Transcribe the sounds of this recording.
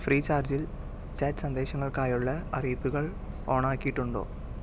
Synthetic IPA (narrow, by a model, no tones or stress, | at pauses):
friːt͡ɕaːrd͡ʑil | t͡ɕɐtsɐnd̪e̞ːɕɐŋːɐɭkaːjuɭːɐɐ̰riːpːuɣɐɭ | o̞ːɳaːkːijiʈːuɳɖo̰ː